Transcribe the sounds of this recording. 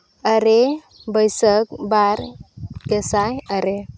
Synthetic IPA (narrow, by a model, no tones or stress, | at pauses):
əɾe | bəjsəkbaɾkɛsajəɾe